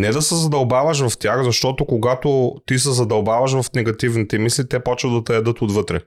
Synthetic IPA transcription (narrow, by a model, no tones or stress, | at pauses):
nɛd̪ɐsɛzɐd̪ɐlˠbavɐʃ̬vɐft̪ʲaxzɐʃt̪ɔt̪okoɡat̪ot̪is̬ɛzɐd̪ɐlˠbavɐʃ̬vɐfnɛɡɐt̪ivnit̪imislit̪ɛpɔt͡ʃɛd̪ɐt̪ɛɛd̪ɤt̪od̪vɤt̪ɾɛ̰